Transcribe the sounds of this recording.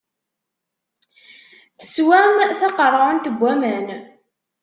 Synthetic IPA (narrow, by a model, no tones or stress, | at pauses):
θə̥swæmθɑqərˤəənt̪əɡʷːæmæn